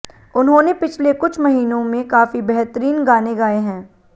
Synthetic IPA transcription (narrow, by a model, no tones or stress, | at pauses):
ʊnɦõːnepɪt͡ʃʰlekʊt͡ʃʰmɐɦiːnõmẽkaːfibɛɦt̪əɾiːnɡaːneɡaːeɦɛ̃ː